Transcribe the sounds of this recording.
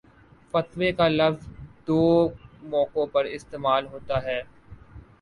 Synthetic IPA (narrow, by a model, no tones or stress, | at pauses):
fɐt̪ʋekalɐʋzd̪oːmɔːkõpɐɾɪst̪eːmaːlɦoːt̪aɦɛː